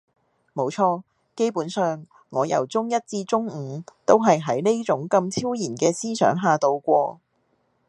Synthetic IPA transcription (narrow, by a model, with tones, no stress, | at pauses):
mo˨˧wt͡ʃʰɔː˧ | ke˥jpuː˨˥nsœː˨ŋː | ɔː˨˧jɐ̰˨˩wt͡sʊ˥ŋjɐ˥t̚t͡siː˧t͡sʊ˥ŋ̩˨˩˦t̪o˥wɦɐ˨jɦɐ˨˥jne˥jt͡sʊ˨˥ŋkɐ˧mt͡sʰiː˥wjiː˨˩nkɛː˧siː˥sœ̰ː˨˥ŋɦaː˨˩t̪o˧wkʷɔː˧